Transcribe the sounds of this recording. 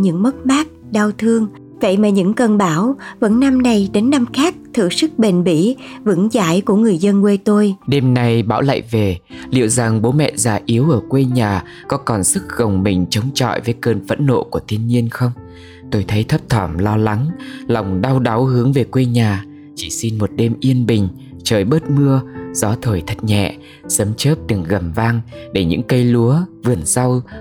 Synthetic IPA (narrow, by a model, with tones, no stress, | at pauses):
ɲɨ̰˧˥ŋmə˦˥t̚ɓaː˦˥k̚ɗa˧wt̪ʰɨ˧əŋ | və̰˧˨jmaː˨˩ɲɨ̰˧˥ŋkə˨˩nɓaː˧˦wvə̰˧˥nːa˧mna˨˩jɗe˨˦nːa˧mxaː˦˥k̚t̪ʰɨ̰˧˨sɨ˦˥k̚ɓe˨˩nɓḭ˧˥vɨ̰˧˥ŋza̰ː˧˥jku˧˩əŋɨ˨˩əjzə˧nkwe˧t̪o˧jɗe˧mna˧jɓaː˧˩wla̰˧˨jve˨˩lḭ˧˨əwza˨˩ŋɓo˨˦mɛ̰˧˨zaː˨˩ʔi˨˦əwʔəː˧˩kwe˧ɲaː˨˩ | kɔ˨˦kɔ˨˩nsɨ˦˥k̚ɣə˨˩wŋ͡mmï˨˩ŋ̟t͡ɕə˨˦wŋ͡mt͡ɕɔ̰˧˨jvəː˨˦jkəː˧˩nvə̰˧˥nːo̰˧˨ku˧˩ət̪ʰi˧ənɲi˧ənxə˧wŋ͡m | t̪o˧jt̪ʰə˨˦jt̪ʰə˦˥p̚t̪ʰəː˧˩mlɔ˧la˨˦ŋla˨˩wŋ͡mɗa˧wɗa˨˦whɨ˨˦əŋve˨˩kwe˧ɲaː˨˩ | t͡ɕi˧˩si˧nmo˨˩t̚ɗe˧mʔi˧ənɓï˨˩ŋ̟ | t͡ɕəː˨˩jɓəː˦˥t̚mɨ˧əz̥ɔ˨˦t̪ʰəː˨˩jt̪ʰə˨˩t̚ɲɛ̰˧˨ | sə˨˦mt͡ɕəː˦˥p̚t̪ɨ˨˩ŋɣə˨˩mvaː˧ŋɗe˧˩ɲɨ̰˧˥ŋkə˧jlu˨˦əvɨ˨˩ənza˧w